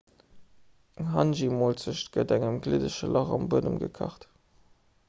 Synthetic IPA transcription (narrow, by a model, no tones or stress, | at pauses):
əŋɦɑnʒimoːlt͡səʃtɡ̥ədæŋəmɡlidəʃəlʔɑʁɑ̰mbuədəmɡə̰kʰɑ̰χt